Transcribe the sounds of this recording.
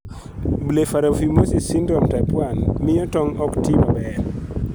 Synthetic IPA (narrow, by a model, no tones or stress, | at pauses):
blefaɾafimosisindɾɔmtapwanmɪɔtɔŋɔktimabɛɾ